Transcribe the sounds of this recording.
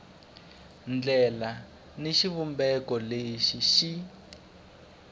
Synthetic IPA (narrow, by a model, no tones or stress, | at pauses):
nd͡ɮɛla | neʃiβumbɛkɔleʃiʃi